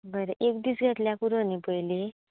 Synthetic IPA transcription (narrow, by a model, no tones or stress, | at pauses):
bəɾeʔekd̪iːsɡʱat̪ljakuɾonipəjle